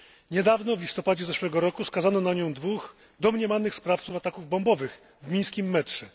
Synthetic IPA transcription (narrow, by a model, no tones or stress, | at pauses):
ɲɛd̪avnɔvlʲist̪ɔpad͡ʑɛzɛʂmɛɡɔɾɔkuskazanɔnaɲɔ̃w̃d̪vux | d̪ɔmɲɛmanɘxspɾaft̪sufat̪akuvbɔmbɔvɘx | vmʲĩj̃skʲimːɛtʂɛ